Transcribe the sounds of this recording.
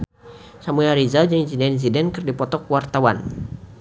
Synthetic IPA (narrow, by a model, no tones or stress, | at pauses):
samuaɾizad͡ʒɨŋinsinɛins̬idɛnkɨrdipɔt̪ɔkwart̪awan